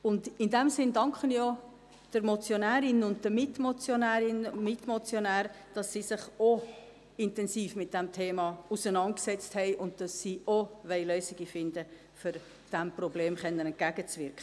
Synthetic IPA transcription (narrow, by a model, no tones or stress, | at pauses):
ʊndɪndɛmsɪndɑŋkχənjo | d̥əɾmɔt͡sjonæːɾɪnʊnd̚d̥əmɪtmot͡sjonæːɾɪnmɪtmɔt͡sjonæːɾ | d̥ɑsːiːsɪχo | ɪntɛnsiːfmɪt̚d̥ɛmtʰeːmɑusənɑnt̚ksɛt͡sthɛɪʔʊnd̚d̥ɑsːiːoʋɛɪløːsɪɡ̥ifɪndə | føɾ | d̥æmprɔbleːmχɛnːənɛntɡ̥æɡət͡svɪɾkχə